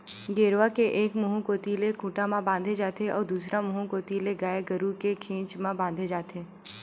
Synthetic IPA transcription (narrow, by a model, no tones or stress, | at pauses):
ɡeːɾʋakeʔeːkmʊɦũkoːt̪ilekʰuːʈamãbãːnd̪ʱed͡ʒaːt̪eɔ̰ːɾd̪uːsɾamʊɦũkoːt̪ileɡaːeɡəɾukekʰẽːt͡ʃmãbãːnd̪ʱed͡ʒaːt̪ʰeː